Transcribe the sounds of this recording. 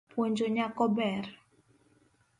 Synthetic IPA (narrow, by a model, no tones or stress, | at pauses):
pwoɲd͡ʒoɲakɔbɛr